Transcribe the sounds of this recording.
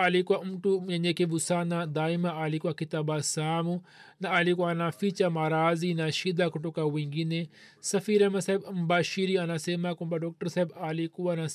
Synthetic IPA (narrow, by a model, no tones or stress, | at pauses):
aːlikuaumʈuɐɲekiʋusaːnad̪aːimaʔaːlikwakit̪abasaːmu | naaːlikwanafit͡ʃamaːɾaːzinaʃid̪akuʈukawiŋɡine | sɐfiːɾemɐsajbɐmbaʃiɾiɐnaseːmakumbaɖoːk̚ʈɐɾsaibaːlikuana